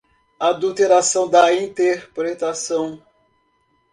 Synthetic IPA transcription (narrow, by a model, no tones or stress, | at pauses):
ad̪ut̪eɾasɐ̃w̃d̪ɐĩnt̪eɾpɾet̪asɐ̃w̃